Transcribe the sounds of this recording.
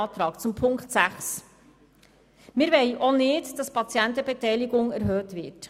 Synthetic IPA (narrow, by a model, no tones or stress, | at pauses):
t̪ɾɑːkt͡sʊmpʰʊŋkχtsæχs | mɪːɾʋɛɪʔonɪtd̥ɑspʰɑt͡sjɛntəbɛtɛjliɡʊŋɛɾɦøːtʋɪt